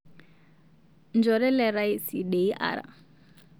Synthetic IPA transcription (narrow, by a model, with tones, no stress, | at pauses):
nd͡ʒɔ˨ɾɛ˦lɛ˨ɾa˦i˦si˨de˨i˦ʔa̰˨ɾa̰˨